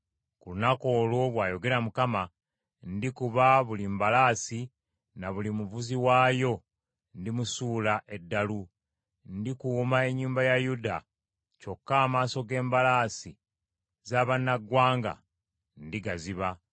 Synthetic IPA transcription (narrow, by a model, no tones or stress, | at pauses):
kulunako̞ːlwo̞βwaːjo̞ɡe̞ɾamukama | ndikuβaβulimbalaːsi | naβulimuβuziwaːjo̞ | ndimusuːlaʔe̞dːalu | ndikumae̞ɲːuːmbajajuda | co̞kːaːmaːso̞ɡe̞ːmbalaːsi | zaːβanːaɡwaːŋɡa̰ | ndiɡaziβa